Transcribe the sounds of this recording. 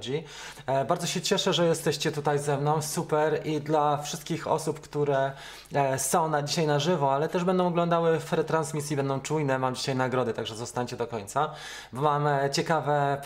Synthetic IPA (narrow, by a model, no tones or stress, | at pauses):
d͡ʑi | baɾdzɔɕɛt͡ɕɛʂɛʐɛjɛst̪ɛɕt͡ɕɛt̪ut̪ajzɛmnɔ̃w̃supɛɾid̪lafʂɘst̪̚kʲixɔ̰supkt̪uɾɛ | sɔ̃w̃nad͡ʑiɕajnaʐɘvɔalɛt̪ɛʐbɛnd̪ɔw̃ɔɡlɔ̃nd̪awɘvɾɛt̪ɾansmʲisʲjibɛnd̪ɔ̃w̃t͡ʂujnɛmamd͡ʑiɕajnaɡɾɔd̪ɘt̪aɡʐɛzɔst̪aɲt͡ɕɛd̪ɔkɔɲt̪sa | bɔmamt͡ɕɛkavɛ